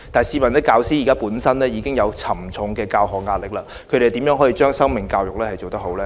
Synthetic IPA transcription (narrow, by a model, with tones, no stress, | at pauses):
t̪aː˨˩jsiː˧˩mɐ˨˩nt̪ɪ˥kːaː˧wsiː˥ji˨kaː˥puː˨˥nsɐ˥nlɛː˥jiː˨˧kɪ˥ŋjɐ˨˧wt͡sʰɐ˨˩mt͡sʰʊ˨˧ŋkɛː˧kaː˧wɦɔː˨˩k̚ŋaː˧t̚lɪ˨˩k̚laː˧ | kʰɵ˨˧jɾe˨˩t̪iː˨˥mjœː˨˥ŋɦɔː˨˥jiː˧t͡ʃœː˥ŋsɐ˥ŋmɪ˨˩ŋkaː˧wjʊ˨k̚lɛː˥hɐ˨˩jt͡ʃo˨wt̪ɐ˥ho˨˥wlɛː˦